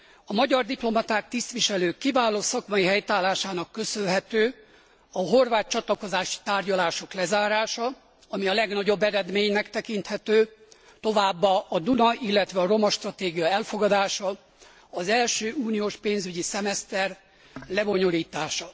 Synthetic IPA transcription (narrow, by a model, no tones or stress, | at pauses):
ɒmɒɟɒrd̪iplo̞mɒt̪aːk̚t̪ist̪ʋiʃɛløːkːivaːloːsɒkmɒjiɦɛjt̪aːlaːʃaːnɒkːø̞sølɦɛt̪øː | ɒɦo̞rvaːt̪̚t͡ʃɒt̪lɒko̞zaːʃi̥t̪aːrɟɒlaːʃo̞klɛzaːɾaːʃɒ | ɒmiɒlɛɡnɒɟo̞bːɛɾɛd̪meːɲnɛkt̪ɛkint̪hɛt̪øː | t̪o̞vaːbːɒɒd̪unɒʔilːɛt̪ʋɛɒro̞mɒʃt̪rɒt̪eːɡijɒɛlfo̞ɡɒd̪aːʃɒ | ɒzɛlʃøːʔuːnijoːʃpeːnzyɟisɛmɛst̪ɛr | lɛbo̞ɲo̞liːt̪aːʃɒ